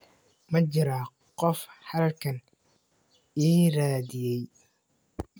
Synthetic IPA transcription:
mɐt͡ʃɪɾa | qɔfhɐlkʰɐn | iːɾaːðɪjɛj

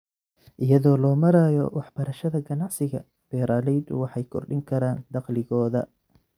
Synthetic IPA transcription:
ʔɪjɐðɔːlɔːmɐɾaːjɔ̰wɑħb̥ɐɾɐʃɐðɐɡɐnɑʕsɪɣɐ̰ | b̥ɛːɾʔalɛjd̪ʊwɑħɑjkʰɔ̰rɖɪŋkʰɐɾaːnd̪ɑqlɪɣɔːðɐ̰

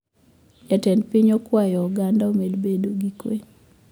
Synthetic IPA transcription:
jatɛnpiɲɔkwajɔɔɡandaomelbedoɡikwe

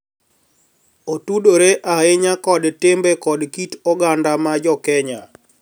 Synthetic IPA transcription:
otudoɾeʔaɪɲakɔdtɪmbekɔdkitɔɡandamad͡ʒɔkɛɲa

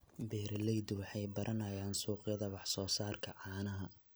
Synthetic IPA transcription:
bɛːɾlɛjd̪wɑħɑjbɐɾʔɐnɐjaːnsuːqjɐðɐwɑħsɔːsaːrkʰɐʕɑːnɐɦɐ

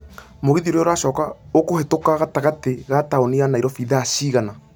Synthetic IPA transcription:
moɣiðioɾeoɾaʃɔːkaokohetokaɣataɣateɣataonianaiɾɔfiːðaːɕiːɣana

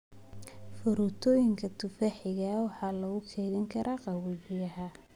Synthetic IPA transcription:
fʊɾuːt̪ʰɔːjɪŋkʰɐt̪ʰʊfaħɪɣɐwɑħɑːlɐɣʊkʰɛːɣɐŋkʰɐɾʔaːqɑwɪɣɪjɐɦɐ

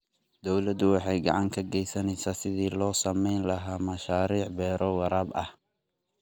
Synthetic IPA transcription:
d̪ɔwlɐd̪ʊwɑħɑjɡɑ̰ʕɑŋkʰɐɡɛjsɐnɛjsaːsɪðiːlɔːsɐmɛjnlɐɦaːmɐʃaːɾiːʕbɛːɾɔwɑɾaːbɐh

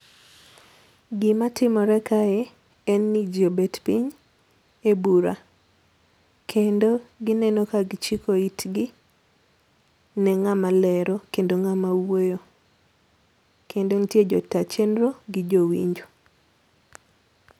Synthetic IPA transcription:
ɡɪmatɪmɔɾɛkaɛ | ɛnːid͡ʒobetpiɲ | ebuɾa̰ | kʰendoɡɪnɛnokaɡɪt͡ʃikoitɡɪ | nɛŋamalɛɾokendoŋamawojo | kʰendontjed͡ʒɔtat͡ʃenɾoɡɪd͡ʒowḭɲd͡ʒo

